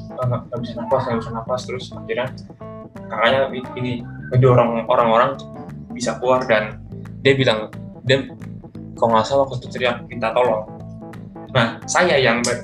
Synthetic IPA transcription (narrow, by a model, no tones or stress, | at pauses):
aŋaŋabisanapasŋabisanapast̪əɾʊsmakiɾa | kaɾaɲaiiniəduoɾaŋoɾaŋoɾaŋbisakluardandiabilaŋdia | kɔŋasalakt̪usəɾiaŋkit̪at̪olɔŋ | nahsajajaŋba